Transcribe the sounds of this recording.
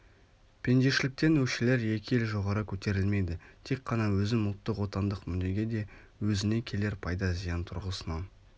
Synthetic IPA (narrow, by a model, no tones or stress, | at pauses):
pʰe̞nd̪eʃɪlɪk̚t̪e̞nwɵʃele̞ɾje̞kʲɪe̞lʒo̞ʁɑɾəkʲʰɵt̪e̞ɾɪlme̞jd̪ɪt̪ʰe̞kqʰːɑnɑwɵzɪmʊlˠt̪ːəqwo̞t̪ɑnd̪əqmʏd̪e̞ɡʲe̞d̪e̞ | wɵzɪne̞kʲʰe̞le̞ɾpʰɑjd̪ɑzijɑnt̪ʰʊ̰ɾʁəsənɑn